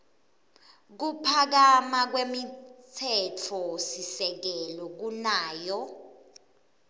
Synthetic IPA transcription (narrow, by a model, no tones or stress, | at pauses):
k̬upʰak̬amak̬wemitʰɛt͡fʰɔsisɛk̬ɛlɔk̬unaːjɔ